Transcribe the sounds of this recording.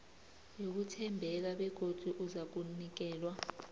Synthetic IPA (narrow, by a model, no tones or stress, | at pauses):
jok̬utʰɛmbʱɛk̬aɓɛɡ̥ʱod̥ʱuʔuzak̬unik̬ɛːlwa